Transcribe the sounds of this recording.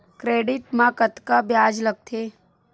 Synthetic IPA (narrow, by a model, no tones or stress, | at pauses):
kɾeːɖɪʈmãkət̪kabjaːd͡ʒləɡ̚t̪ʰeː